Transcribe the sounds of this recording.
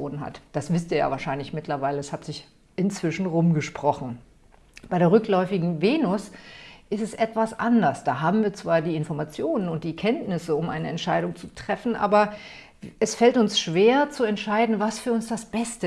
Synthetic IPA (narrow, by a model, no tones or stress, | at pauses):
oːnənɦa̰td̥asv̥ɪstiːɐja̰ːvaːɐʃaɪnlɪçmɪtlɐvaɪləɛshatz̥ɪç | ʔɪnt͡sv̥ɪʃn̩ʁʊmɡəʃpʁ̥ɔχn̩ | b̥aɪɾeːʁ̞ʏklɔʏfɪɡŋ̩veːnʊsʔɪstɛsʔɛtv̥asʔandɐsd̥aːɦaːbm̩viːɐt͡sv̥aːɐdiːɪnfɔɐmat͡sjoːnənʊnt̚d̥iːkʰɛntnɪsəʊmʔa̰ɪnəɛntʃaɪɾʊŋt͡sutʁ̥ɛfn̩ʔa̰ːbɐ | ʔɛsfɛltʊnsʃv̥eːɐt͡suɛntʃaɪdn̩vasfyːɐʊnsd̥asb̥ɛstə